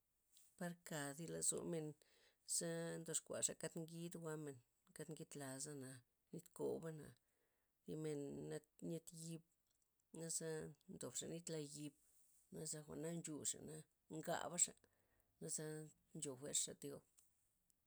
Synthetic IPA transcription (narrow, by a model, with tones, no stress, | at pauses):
pa˦ɾka˨d̪i˧˦la˨zo̰˧˨me˧n | z̥a˦nd̪o˧ʂkʷa̰˨ʂa˨ka˦t̪ŋɡi˦d̪ɡwa˧˦me˨n | ka˦t̪ŋɡi˦t̪la˨za˦na˨ | ni˦t̪ko˨ba˦na̰˨ | d̪i˧me˧nːa˧tɲe˧t̪ji˧b̚ | na˦za˦nd̪o˨bʂa˨ni˦t̪la˧ji˧b | na˦za˦xʷa̰˨ʔna˦nt͡ʃu˧ʂa̰˨na˦ | ŋɡa̰˧˨ba˦ʂa̰˨ | na˦za˦ | nt͡ʃo˨xʷe˦ɾʂa˨t̪jo˧b